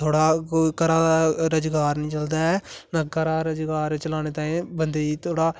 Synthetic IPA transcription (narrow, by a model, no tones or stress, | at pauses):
t̪ʰoːɽaːkoːiːkəɾaːɾəd͡ʒɡaːɾnəĩːt͡ʃəld̪aːɛːnãːkəɾaːɾəd͡ʒɡaːɾt͡ʃəlaːñeːt̪ãːẽːbənd̪eːiːt̪ʰoːɽaː